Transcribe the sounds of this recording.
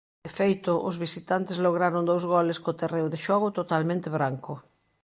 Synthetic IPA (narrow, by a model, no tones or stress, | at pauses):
efejt̪ʊʔʊzβisit̪ant̪ɪszloɣ̞ɾaɾond̪owzɣɔlɪskot̪erewðeʃɔɣʊt̪ot̪almẽnt̪eβɾaŋkʊ